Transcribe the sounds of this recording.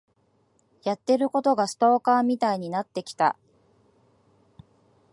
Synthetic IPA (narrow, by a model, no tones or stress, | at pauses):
jat̪ːe̞ɾɯ̟ko̞t̪o̞ɡasɨ̥t̪o̞ːkaːmʲit̪aiɲ̟inat̪ːe̞kʲi̥t̪a̰